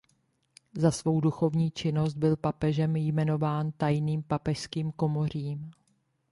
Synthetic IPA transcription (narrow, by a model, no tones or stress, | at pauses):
zasvo̞wduxo̞vɲiːt͡ʃɪno̞st̪̚bɪlpapɛʒɛmjmɛno̞vaːnt̪ajniːmpapɛʃskiːmko̞mo̞r̝iːm